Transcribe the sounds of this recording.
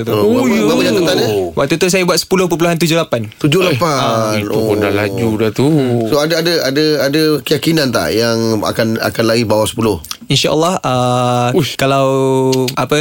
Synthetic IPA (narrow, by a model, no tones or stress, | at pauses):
t̪omaməat̪ənt̪anəwa̰k̚t̪ut̪us̬ajabuat̪sə̥pulʊhp̬əp̬uluɦant̪̬ud͡ʒʊhlapant̪ud͡ʒʊhlapainuopunda̰lad͡ʒudat̪usoadaadəadəadəkəjakinant̪a̰ʔjaŋa̰kana̰kanlaɡibawasə̥pulʊhinʃaʔəlːahəukalawapə